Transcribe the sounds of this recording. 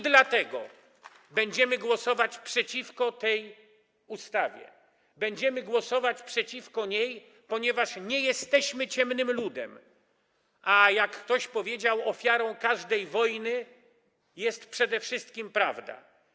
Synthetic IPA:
d̪lat̪ɛɡɔ̰ | bɛɲd͡ʑɛmɘɡwɔsɔvat͡ɕpʂɛt͡ɕifkɔt̪ɛj | ust̪avʲjɛ̰ | bɛɲd͡ʑɛmɘɡwɔsɔvat͡ɕpʂɛt͡ɕifkɔɲej | pɔɲɛvaʂɲɛjɛst̪ɛɕmɘt͡ɕɛmnɘmlud̪ɛ̰m | ʔajakːt̪ɔɕpɔvʲjed͡ʑawɔfʲjaɾɔ̃w̃kaʐd̪ɛjvɔjnɘ | jɛst̪pʂɛd̪ɛfʂɘst̪kʲimpɾavd̪a̰

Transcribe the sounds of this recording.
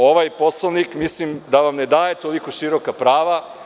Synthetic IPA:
o̞ʋajpo̞slˠonikmislimd̪aʋamned̪aːjet̪o̞likoʃiɾokapɾaːʋa

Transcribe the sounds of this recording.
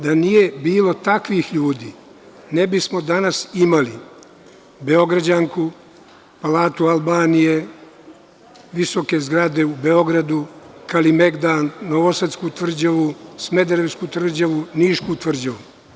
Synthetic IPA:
d̪anijebiːlo̞t̪akʋixʎuːd̪iː | nebismo̞d̪anasimali | beo̞ɡɾad͡ʑaŋku | palaːt̪ualbaːnije̞ | ʋisoke̞zɡɾad̪e̞ube̞o̞ɡɾad̪ukalimeɡd̪aːnːoʋosat̪skut̪ʋr̩d͡ʑaʋusme̞d̪eɾeskut̪vr̩d͡ʑaʋuniːʃkut̪ʋr̩d͡ʑaʋu

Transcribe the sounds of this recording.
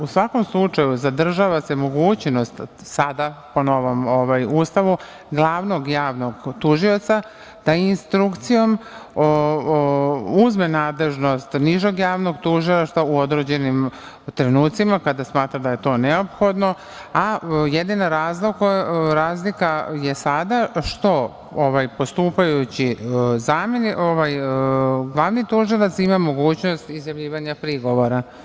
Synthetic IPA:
usʋako̞mslˠut͡ʂajuzad̪r̩ʒaʋase̞mo̞ɡuːt͡ɕnost̪ | sad̪apono̞ʋomoʋajuːst̪aʋu | ɡlˠaːʋno̞ɡjaːʋno̞ɡt̪uʒio̞t̪sa | d̪̥ainst̪ɾukt̪sijo̞m | uzmenaːd̪le̞ʒno̞st̪niʒoɡjaːʋno̞ɡt̪uʒilˠaʃt̪auo̞d̪ɾed͡ʑe̞nim | t̪ɾenuːt̪simakad̪asmaːt̪ɾad̪aje̞t̪o̞ːneopxo̞d̪no̞ | ajed̪inaɾaːzlˠokoɾaːzlikajesad̪aʃt̪o̞ | oʋajpo̞st̪uːpajut͡ɕizaːmjeniʔoʋaj | ɡlˠaːʋnit̪uːʒilat̪simamo̞ɡuːt͡ɕno̞st̪izjaʋʎiːʋaɲapɾiɡo̞ʋo̞ɾa

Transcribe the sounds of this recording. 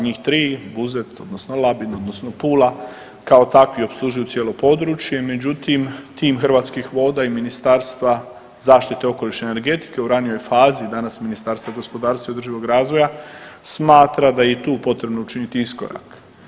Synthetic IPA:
ɲiːxt̪ɾiːbuzet̪o̞d̪no̞sno̞labino̞d̪no̞sno̞puːla | kao̞t̪akʋio̞pslˠuʒujut̪sjelo̞po̞d̪ɾut͡ʃje̞me̞d͡ʑut̪imt̪iːmxr̩ʋaːt̪skixʋo̞ːd̪aiminist̪aːɾst̪ʋa | zaːʃt̪it̪e̞o̞ko̞liʃneːne̞ɾɡe̞t̪i̥ke̞uɾanijo̞jfaːzid̪anasminist̪aːɾst̪vʋaɡo̞spo̞d̪aːɾst̪ʋaiod̪ɾrʒiʋo̞ɡɾaːzʋo̞jasmaːt̪ɾad̪ajet̪uːpo̞t̪ɾe̞bnout͡ʃinit̪iisko̞̰ɾa̰k

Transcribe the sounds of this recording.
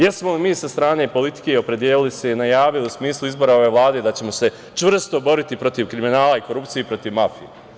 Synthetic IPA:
jesmolimiːsast̪ɾaːne̞ːpo̞lit̪i̥ke̞io̞pɾe̞d̪jeːlilise̞inajaːʋiliusmiːslˠuizbo̞ɾao̞ʋe̞ːʋlˠaːd̪e̞d̪at͡ɕe̞mo̞se̞ | t͡ʃʋr̩st̪o̞bo̞ɾit̪ipɾo̞t̪iʋkɾiminaːlˠaiko̞ɾupt̪siepɾo̞t̪iʋmafije

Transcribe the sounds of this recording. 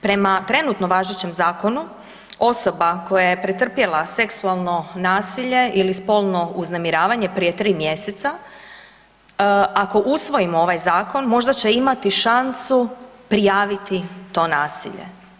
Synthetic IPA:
pɾe̞mat̪ɾe̞nut̪no̞ʋaʒet͡ɕe̞mzaːko̞nu | o̞so̞bako̞jaje̞pɾet̪r̩pje̞lˠase̞ksualˠno̞naːsiʎe̞ʔilispo̞lˠno̞uznemiɾaːʋaɲe̞pɾije̞t̪ɾiːmje̞set̪sa | ako̞ʔusʋo̞jimoo̞ʋajzaːko̞nmo̞ʒd̪at͡ɕe̞imat̪iʃansupɾijaːʋit̪it̪o̞ːnaːsḭʎḛ

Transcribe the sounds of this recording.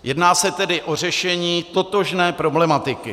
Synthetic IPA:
jɛdnaːsɛt̪ɛdɪʔo̞r̝ɛʃɛɲiːt̪o̞t̪oʒnɛːpɾo̞blɛmat̪ɪkɪ

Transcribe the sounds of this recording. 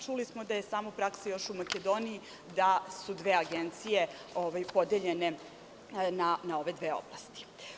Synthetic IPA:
t͡ʃulismod̪aje̞saːmopɾaksajo̞ʃumaked̪o̞ːniji | d̪asud̪ʋeːaɡent̪sije̞ | oʋajpo̞d̪eʎe̞ne̞ | nanao̞ʋe̞d̪ʋeːo̰blˠast̪i̥

